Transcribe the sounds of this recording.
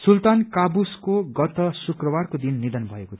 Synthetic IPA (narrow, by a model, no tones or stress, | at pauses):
sult̪ankabuskoɡʌt̪ʌsukrʌwarkod̪inːid̪ʌnbʱʌeko